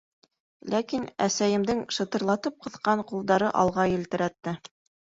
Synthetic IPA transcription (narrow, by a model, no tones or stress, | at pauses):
lʔækinæsæjɘ̆md̪ɘŋʃɤ̆t̪ɤ̆ɾlˠɑt̪ɤp̚qɤ̆θqɑɴqulˠd̪ɑɾɤʔɑlˠʁɑjɘ̆lt̪ɘ̆ɾæt̪ːɘ